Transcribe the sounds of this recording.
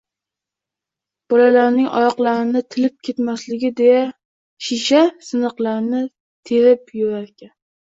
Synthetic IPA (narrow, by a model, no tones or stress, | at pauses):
b̥ɒlalaɾnɪŋɒ̰jɒqlˠaɾɪnɪt̪ʰɪlɪp̚kʲʰe̞t̪maslɪɡʲɪd̪eja | ʃɪʃasɪnɨqlˠaɾnɪ | t̪ʰeɾɪpjʊɾaɾkʲan